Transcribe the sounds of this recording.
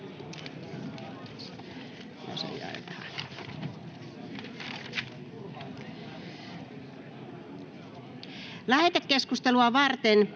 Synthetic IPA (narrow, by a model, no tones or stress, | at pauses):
no̰sḛiɑ̰iɑɑ | læhet̪ekːeskust̪eluɑʋɑrt̪en